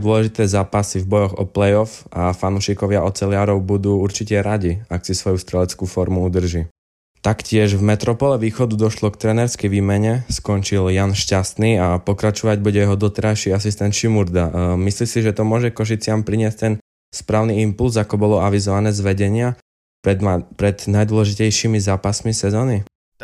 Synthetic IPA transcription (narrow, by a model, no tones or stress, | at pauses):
d̪ʊɔlɛʒit̪ɛːzaːpasivbɔjɔɣɔ̰plɛjɔfafanuːʃikɔʋɪaʔɔt͡sɛlɪaːɾɔʊbud̪uːuɾt͡ʃicɛɾaɟiaksisʋɔjust̪ɾɛlɛt͡skuːfɔɾmuud̪r̩ʒi | t̪akcɪɛʒvmɛt̪ɾɔpɔlɛʋiːxɔd̪ud̪ɔʃlɔkt̪ɾɛːnɛɾskɛjʋiːmɛɲɛskɔnt͡ʃiljanʃcast̪niːapɔkɾat͡ʃɔʋaɟbuɟɛjɛɦɔd̪ɔt̪ɛɾajʃiasist̪ɛnt̪ʃimuɾd̪amislisiʒɛt̪ɔmʊɔʒɛkɔʃ̬it͡sɪampɾiɲɪɛsct̪ɛn | spɾaːʊniimpulzakɔbɔlɔaʋizɔʋanɛːzʋɛɟɛɲɪa | pɾɛpɾɛd̪najd̪wɔlɛʒicɛjʃimizaːpasmisɛzɔːni